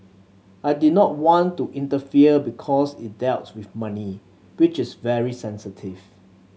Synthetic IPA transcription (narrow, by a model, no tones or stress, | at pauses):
ajdinɔt̚wɔ̃ntuʔĩntəfiəbikʰɔsɪt̚dɛltswɪθmani | wit͡ʃɪsvɛɹisɛ̃nsətʰiv